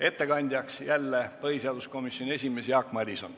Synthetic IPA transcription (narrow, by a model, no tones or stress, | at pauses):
e̞t̪ːe̞kɑnʲd̪̥ʲjɑksjælːepɤɦiseɑd̪usko̞misjo̞nʲie̞s̬ʲime̞sjɑːkmɑd̪ʲiso̰n